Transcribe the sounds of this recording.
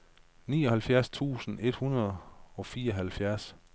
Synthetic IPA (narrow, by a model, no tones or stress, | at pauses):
nḭːɒ̽hælfjæɐst͡sʰṵːsn̩e̝d̥hunɐð̞ˠɒ̽fiːɐɒɦælfjæɐs